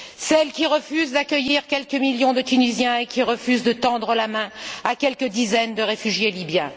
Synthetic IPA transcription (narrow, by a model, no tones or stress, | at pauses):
sɛlkʲiʁəfyzd̪akʲəjiʁkʲɛlkəmiljɔ̃d̪ət̪ynizjɛ̃ekʲiʁəfyzd̪ət̪ɑ̃d̪ʁəlamɛ̃akʲɛlkəd̪izɛnd̪əʁefyʒjelibjɛ̃